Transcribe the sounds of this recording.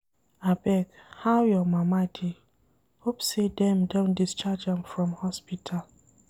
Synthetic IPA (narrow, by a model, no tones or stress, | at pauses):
abɛkhawjɔmamadʰi | hopsedɛmdõndist͡ʃad͡ʒãmfɾɔ̃mhɔspitʰal